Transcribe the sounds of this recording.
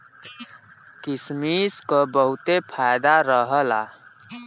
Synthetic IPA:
kismiːskəbəɦut̪epʰajd̪aɾəɦəla̰

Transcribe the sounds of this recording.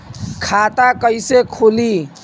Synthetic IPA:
kʰat̪akəjsekʰoli

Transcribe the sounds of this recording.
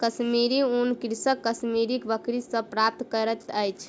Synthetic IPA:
kəsmiɾiunkɾsəkːəsmiɾikbəkɾisə̃pɾap̚t̪kəɾət̪əjt͡ʃʰ

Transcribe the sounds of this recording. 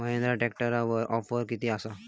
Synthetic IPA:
məɦẽnd̪ɾaʈɛk̚ʈəɾaʋəɾʔɔfəɾkit̪iasa

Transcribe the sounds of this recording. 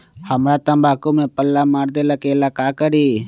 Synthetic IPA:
həmɾat̪ə̃mbʱaːkumẽpəlːamaːɾd̪elakelakaːkəɾi

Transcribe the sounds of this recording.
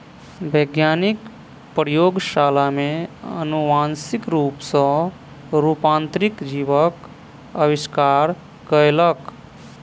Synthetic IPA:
bʱəɡjanik | pɾjoɡʃalameə̰nuʋansikɾupsə̃ | ɾupãnt̪ɾikd͡ʒibək | əbiskaɾ | kəelək

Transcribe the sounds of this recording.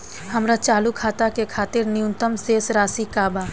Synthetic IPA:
həmɾat͡ʃaːlukʰaːt̪akekʰaːt̪ɪɾnɪjũnt̪əmseːsɾaːsikaːba

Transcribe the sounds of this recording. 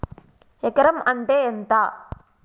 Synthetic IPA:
ɛkːɐɾɐmɐɳʈeːent̪aː

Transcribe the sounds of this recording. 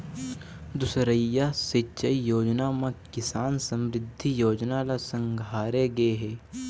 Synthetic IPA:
d̪ʊsɾəjːaset͡ʃəijoːd͡ʒnamãkɪsaːnsɐ̃mɾɪd̪ʱːijoːd͡ʒnalasɐ̃ŋɡʱaːɾeɡɐeɦɛː

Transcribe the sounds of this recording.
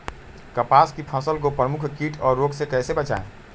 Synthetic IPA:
kəpaːskipʰaːsəlkopɾəmʊkʰkiːʈʰɔːɾːoːɡsekɛːsebət͡ʃa̰ːḛ̃

